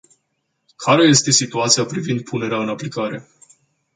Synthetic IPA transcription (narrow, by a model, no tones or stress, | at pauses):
kʰaɾe̞je̞st̪e̞sit̪uat̪sijapɾivind̪̚pʰune̞ɾeaɨnaplikaɾe̞